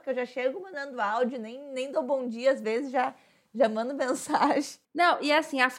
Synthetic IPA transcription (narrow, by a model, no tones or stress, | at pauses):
kewʒaʃeɡʊmɐ̃nd̪ɐ̃nd̪ʊawd͡ʒʊnẽj̃nẽj̃d̪owbõw̃d͡ʒiɐazvezɪzʒa | ʒamɐ̃nd̪ʊmẽsaʒẽnɐ̃w̃ʔɪɛasĩaf